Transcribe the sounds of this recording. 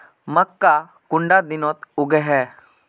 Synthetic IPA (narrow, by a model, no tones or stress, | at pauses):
məkːa | kʊɳɖad̪inɔt̪uɡəɦɛ